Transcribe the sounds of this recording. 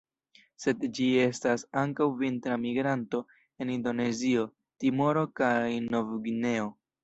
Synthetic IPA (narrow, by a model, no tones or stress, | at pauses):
se̞dd͡ʒie̞stasaŋkawvintɾamiɡɾanto̞ | e̞nindo̞ne̞zio̞ | timo̞ɾo̞kajno̞vɡne̞o̞